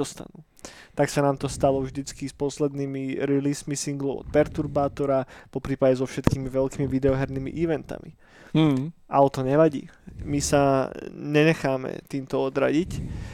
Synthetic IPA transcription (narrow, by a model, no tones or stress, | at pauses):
ɔst̪a̰nuː | t̪aksanaːmt̪ɔst̪alɔvʒd̪it͡skispɔslɛd̪niːmiɾiliːsmisiŋɡlɔʊʔɔ̰t̪̚pɛɾt̪uɾbaːt̪ɔɾapɔpɾiːpaɟɛzɔfʃɛt̪kiːmiʋɛʎkiːmiʋid̪ɛɔɦɛɾniːmḭʔiʋɛnt̪a̰mḭ | ʔaɔt̪ɔɲɛʋaɟḭːmisaɲɛɲɛxaːmɛ̰t̪iːmt̪ɔɔd̪ɾa̰ɟic